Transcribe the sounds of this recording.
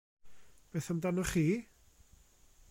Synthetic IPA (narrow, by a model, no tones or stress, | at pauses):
b̥eːθamdanɔχiː